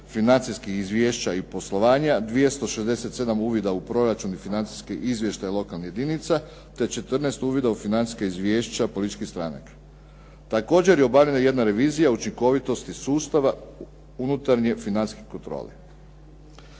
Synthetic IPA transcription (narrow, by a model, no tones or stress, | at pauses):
finant̪siskixizʋjeːʃt͡ɕaipo̞slˠo̞ʋaːɲad̪ʋije̞st̪o̞ʃe̞zd̪e̞se̞t̪se̞d̪amuːʋid̪aupɾo̞ɾat͡ʃunifinant̪si̥skeʔizʋjeʃt̪ajilˠo̞kalˠnije̞d̪init̪sa | t̪e̞t͡ʃe̞t̪r̩nest̪uːʋid̪aufinant̪i̥skaizʋʲjeːʃt͡ɕapolˠit̪it͡ʃkist̪ɾa̰na̰kḁ | t̪ako̞ːd͡ʑe̞ɾjeo̞baʋʎenaje̞d̪naɾe̞ʋiːzijaut͡ʃiŋko̞ʋit̪o̞st̪isuːst̪aʋa | unut̪aɾɲefinant̪i̥skikont̪ɾo̰ːle